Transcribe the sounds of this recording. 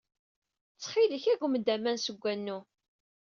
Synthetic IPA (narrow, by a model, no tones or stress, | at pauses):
t͡sːχiləçæɡʷməd̪æmænsəɡʷːænːu